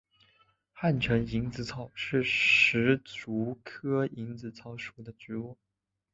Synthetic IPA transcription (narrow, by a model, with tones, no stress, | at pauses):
xa˥˩nʈ͡ʂʰə˧˥ŋi˧˥ŋt͡sɹ̩˧˩t͡sʰɑ˨˩ʊʂɻ̩˥˩ʂɻ̩˧˥t͡su˧˥kʰɤ˥i˧˥ŋt͡sɹ̩˧˩t͡sʰɑ˧˥ʊʂu˨˩d̪ə˦ʈ͡ʂɻ̩˧˥ɔ˥˩